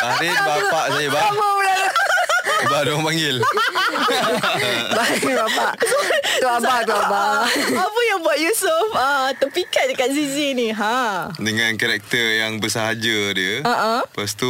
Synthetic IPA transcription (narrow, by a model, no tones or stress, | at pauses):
adibapaʔsajəbabawəlajə | badoaŋpaŋɡɪl | babapaʔt̪uabaht̪uabaapəjaŋbuaʔ̚jusufat̪əpikat̪̚dəkat̪̚siziniɦãdəŋankaɾɛk̚t̪ərjaŋbəsaɦad͡ʒadiəaʔãpəst̪u